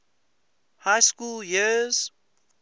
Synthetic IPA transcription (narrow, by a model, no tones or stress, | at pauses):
haɪskuːljiz̥